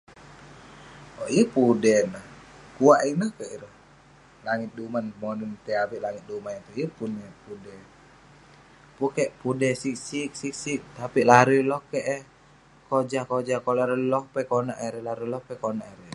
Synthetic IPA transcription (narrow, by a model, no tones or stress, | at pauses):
oʔiəpudɛnahkuaʔinahkəʔiɾəh | laŋit̪̚dumanmonənt̪ɛabiʔlaŋit̪̚dumanet̪uiəpunepudɛ | pukɛʔpudɛsiksik̚sik̚sik̚t̪apiʔlaɾulɔhkɛʔ | kod͡ʒahkod͡ʒakolaɾəlɔhpɛkonaʔɛɾɛlaɾilɔhpɛkonaʔɛɾɛ